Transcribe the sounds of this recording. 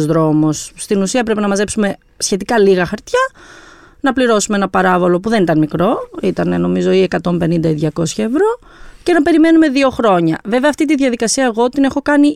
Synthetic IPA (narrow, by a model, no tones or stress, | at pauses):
zðɾo̞mosːt̪inusiɐp̬ɾe̞pinɐmɐze̞psume̞ | sçe̞t̪ikɐliɣɐxɐɾt̪çɐ | nɐpliɾo̞sumeenɐpɐɾɐvo̞lo̞puðenit̪ɐnmikɾo̞it̪ɐne̞no̞mizo̞iekɐt̪o̞mpe̞nind̪ɐiðʝɐko̞sçɐevɾo̞ | ce̞nɐpe̞ɾime̞nume̞ðio̞xɾo̞ɲɐve̞veɐft̪it̪iðʝɐðikɐsiɐeɣo̞t̪ine̞xo̞kɐni